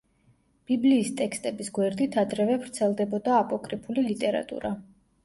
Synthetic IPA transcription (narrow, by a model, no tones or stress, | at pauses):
b̥ibliːst̪ʼɛkst̪ʼɛbisɡwɛɾd̪it̪ʰad̪ɾɛvɛvɾt̪sʰɛlˠd̪ɛbɔd̪aːpʼɔkʼɾipʰulilit̪ʼɛɾa̰t̪ʼṵɾa